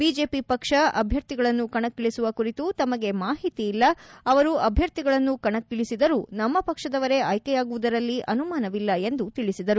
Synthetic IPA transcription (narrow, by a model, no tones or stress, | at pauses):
biːd͡ʒe̞ːpipɐkʂɐʔɐbʱjɐɾt̪iɡɐɭɐnːukɐɳɐkːiɭisuʋɐkuɾit̪ut̪ɐmɐɡe̞maːɦit̪iːlːɐɐʋɐɾuɐbʱjɐɾt̪iɡɐɭɐnːukɐɳɐkːiɭisid̪ɐɾunɐmːɐpɐkʂɐd̪ɐʋɐɾe̞ɐjkejaːɡuʋud̪ɐɾɐlːiʔɐnumaːnɐʋilːɐe̞nd̪ut̪iɭisid̪ɐɾu